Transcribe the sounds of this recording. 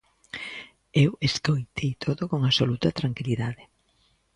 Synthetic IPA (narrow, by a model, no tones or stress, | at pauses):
eweskojt̪ʰejt̪ʰoðokoŋasolut̪ɐt̪ɾaŋkiliðaðɪ